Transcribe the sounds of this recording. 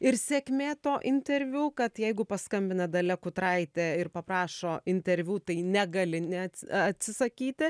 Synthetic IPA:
ɪɾsʲeːkmʲeːt̪oːʔɪnʲt̪ʲɛɾʲʋʲuːkɐt̪jɛɪɡʊpɐskɐmʲbʲɪnɐd̪ɐlʲɛkʊt̪ɾɐɪt̪ʲeːɪrpɐpɾɑːʃoːɪnʲt̪ʲɛɾʲʋʲuːt̪ɐɪnʲɛɡɐlʲɪnʲɛɐt̪ɐt̪ʲsʲɪsɐkʲiːt̪ʲɪ

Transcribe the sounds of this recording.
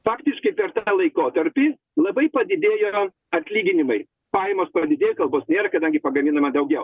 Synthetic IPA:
fɑːkt̪ʲɪʃkɐɪpʲɛɾt̪ɑːlˠɐɪkoːt̪ɐɾʲpʲiː | lˠɐbɐɪpɐd̪ʲɪd̪ʲeːjoː | ɐt̪ʲlʲiːɡʲɪnʲɪmɐɪ | pɑːjɛmoːspɐd̪ʲɪd̪ʲeːjokɐlˠboːsnʲeːɾɐkɐd̪ɐŋʲɡʲɪpɐɡɐmʲinɐmɐd̪ɐʊɡʲɛʊ

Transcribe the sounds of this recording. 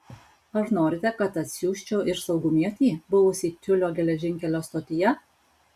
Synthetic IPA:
ɐɾnoːɾʲɪt̪ʲɛkɐt̪ɐt̪ʲsʲuːʃʲt͡ʃʲuːʔɪɾsɐʊɡʊmʲiɛt̪ʲiːbʊʋʊsʲiːt̪ʲʊlʲoːɡʲɛlʲɛʒʲɪŋʲkʲɛlʲoːst̪oːt̪ʲɪjɛ

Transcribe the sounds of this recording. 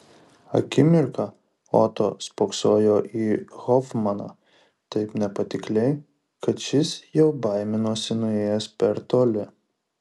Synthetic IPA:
ɐ̰kʲɪmʲɪɾkɑ | ɔ̰t̪oːspoksoːjoːʔiːɣɔfmɐnɑ̰ː | t̪ɐɪpnʲɛpɐt̪ʲɪklʲɛɪ | kɐt̪ʃʲɪsjɛʊbɐɪmʲɪnoːsʲɪnʊeːjɛspʲɛɾt̪oːlʲɪ

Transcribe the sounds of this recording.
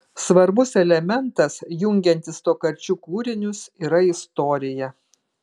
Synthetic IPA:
sʋɐɾbʊsɛlʲɛmʲɛnt̪ɐsjʊŋʲɡʲɛnʲt̪ʲɪst̪oːkɐɾʲt͡ʃʲuːkuːɾʲɪnʲʊsiːɾɐɪst̪oːɾʲɪjɛ

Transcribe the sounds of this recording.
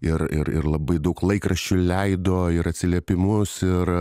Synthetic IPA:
ɪɾɪ̰ɾɪ̰ɾlˠɐbɐɪd̪ɐʊklˠɐɪkɾɐʃʲt͡ʃʲʊlʲɛɪd̪oːɪɾɐtʲsʲɪlʲiɛpʲɪmʊsɪr

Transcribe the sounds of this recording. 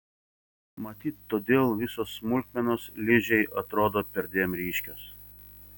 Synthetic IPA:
mɐt̪ʲiːt̪ːoːd̪ʲeːlˠʋʲɪsoːsːmʊlʲk̪ʲmʲɛnoːslʲɪʒʲɛɪʔɐt̪ɾoːd̪oːpʲɛɾʲd̪ʲeːmɾʲiːʃʲkʲos

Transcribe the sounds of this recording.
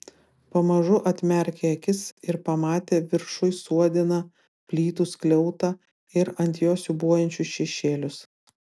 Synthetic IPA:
pɐmɐʒʊʔɐt̪ʲmʲɛɾʲkʲeːɐkʲɪsɪɾpɐmɑːt̪ʲeːʋʲɪɾʃʊɪsuɔd̪ʲɪnɐ | pʲlʲiːt̪usklʲɛʊt̪ɐ | ɪɾɐnʲt̪ʲjoːsʲʊbuɔjɛnʲt͡ʃʲʊsʃʲɛʃʲeːlʲʊs

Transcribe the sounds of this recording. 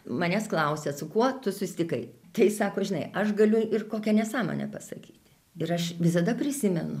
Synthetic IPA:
mɐnʲɛsklˠɐʊsʲɛsʊkuɔt̪ʊsʊsʲt̪ʲɪkɐɪt̪ɐɪsɑːkoːʒʲɪnɐɪɐʃɡɐlʲʊɪrkoːkʲɛnʲɛsɑːmo̰ːnʲɛ̰pɐsɐkʲiːt̪ʲ | ɪɾɐʃʋʲɪs̬ɐd̪ɐpʲɾʲɪsʲɪmʲɛnʊ

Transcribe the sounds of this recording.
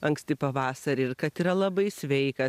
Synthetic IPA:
ɐŋksʲt̪ʲɪpɐʋɑːsɐɾʲɪɾkɐt̪iːɾɐlˠɐbɐɪsʲʋʲɛɪkɐ

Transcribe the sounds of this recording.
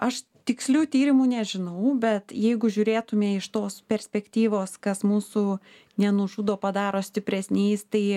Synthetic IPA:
ɐʃ | t̪ʲɪksʲlʲuːt̪ʲiːɾʲɪmuːnʲɛʒʲɪnɐʊbʲɛt̪jɛɪɡʊʒʲʊːɾʲeːt̪ʊmʲeːɪʃt̪oːspʲɛɾʲsʲpʲɛkt̪ʲiːʋoːskɐsmuːsʊ | nʲɛnʊʒud̪oːpɐd̪ɑːɾoːsʲt̪ʲɪpʲɾʲɛsʲnʲeɪst̪ɐɪ

